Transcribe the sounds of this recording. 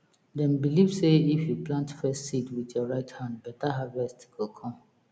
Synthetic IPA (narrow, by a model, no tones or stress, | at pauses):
dɛ̃nbilivseifjuplãntfɛstsitwidjɔɹaɪthãnd̚bɛtaɦavɛstɡokʰɔ̃m